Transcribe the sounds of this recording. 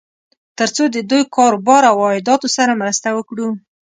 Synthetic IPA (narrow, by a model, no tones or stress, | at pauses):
t̪əɾt͡sod̪əd̪ujkɑɾbɑɾawɑɪd̪ɑt̪osaɾamɾəst̪awəkɽu